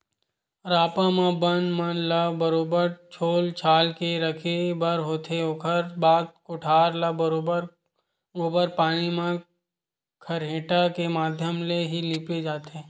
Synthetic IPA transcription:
ɾaːpãmãbənmənlɐbəɾoːbəɾt͡ʃʰoːlt͡ʃʰaːlkeɾɐkʰebɐɾɦoːt̪eoːkʰəɾbaːd̪̚kʊʈʰaːɾlabəɾoːbəɾ | oːbəɾpaːnimã | kʰɐɾɦẽːʈakemaːd̪ʱjəmleɦiliːpled͡ʒaːt̪eː

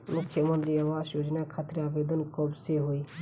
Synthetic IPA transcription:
mʊkʰːjəmənt̪ɾiəmasjoːd͡ʒnakʰaːt̪ɾeaːbed̪ənkɔbseɦoi

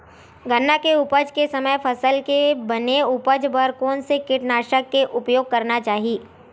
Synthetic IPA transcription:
ɡənːakeʊpəd͡ʒkesɐməjpʰɐsəlkebɐneʊpəd͡ʒbəɾkoːnsekɪʈnaːʃəkːeʔʊpjoːɡ̚kɐɾnat͡ʃaːɦiiː

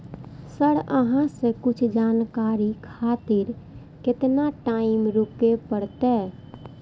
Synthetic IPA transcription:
səɽəɦãsẽkʊt͡ʃʰd͡ʒaːnkaɾikʰat̪ɪɾ | kɪt̪naʈaːimɾupepəɽt̪ɛ

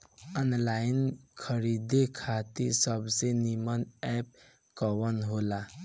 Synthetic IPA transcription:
ənlainkʰəɾid̪ekʰat̪isəbsenimənɛp̚ | kəwənɦola

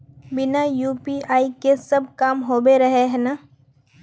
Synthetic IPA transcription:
bɪnajuːpiʔaːikesɐb̚kaːmɦoːbeɾɐɦeɦɛːnaː

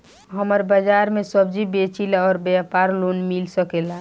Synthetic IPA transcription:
ɦəməɾbəd͡ʒaɾmesəb̚d͡ʒibet͡ʃilaɔɾbapaɾlonmilsəkela

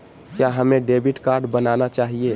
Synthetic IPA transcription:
kjaɦəmeɖebiʈkaɾɖbənanat͡ʃaːɦie

